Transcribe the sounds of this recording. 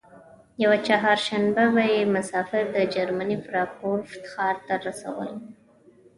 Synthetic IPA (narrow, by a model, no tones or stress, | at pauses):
jawat͡ʃaɦɑɾʃanbabajemʊsɑfɪɾd̪əd͡ʒaɾmanifɾɑpoɾft̪ɪ̥xɑɾt̪aɾasa̰wə̰l